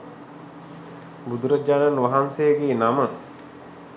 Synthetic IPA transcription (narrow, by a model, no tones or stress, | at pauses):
bud̪uɾəd͡ʑaːnanʋaɦansejəɡeːnamə